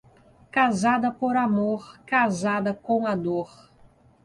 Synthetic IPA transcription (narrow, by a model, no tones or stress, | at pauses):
kazad̪ɐpoɾamoɾkazad̪ɐkõw̃ad̪oɾ